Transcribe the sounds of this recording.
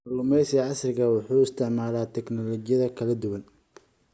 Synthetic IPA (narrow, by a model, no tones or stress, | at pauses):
lʊmɛjsɐʕɑsrɪɣɐwʊħuːɪst̪ʰɪʕmaːlaːt̪ʰɛknɔlɔːt͡ʃɪjɐðɐkʰɐlɐd̪ʊwɐn